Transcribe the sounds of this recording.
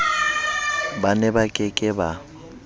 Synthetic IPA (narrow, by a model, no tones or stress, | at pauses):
banɛbakʼɪkʼɪba